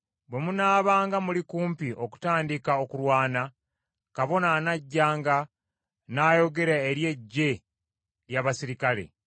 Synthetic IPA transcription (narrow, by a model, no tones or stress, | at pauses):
bwe̞munaːβaːŋɡamulikuːmpiʔo̞ku̥taːndikao̞kuɾwaːna | kaβo̞naːnaɟːaːŋɡa | najo̞ɡe̞ɾaeɾje̞ɟːe̞ | ɾjaβasiɾikale̞̰